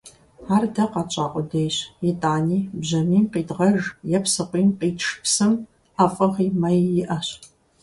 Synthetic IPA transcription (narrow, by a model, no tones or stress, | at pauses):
aːrdɐqɑt͡ʃʼaːqʷʼɔdejɕjɪtʼaːniːbʑɐniːmqiːdʁɐʒjɛpsɨqʷiːmqiːtʂpsɨm | ɐfʼɐʁiːmɐjjɪʔɐɕ